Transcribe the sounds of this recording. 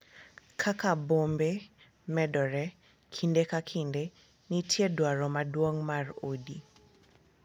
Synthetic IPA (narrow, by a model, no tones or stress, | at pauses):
kʰakabombe | mɛdɔɾɛ | kʰindekakʰinde | nitʰjedwaɾɔmadwoŋmarodi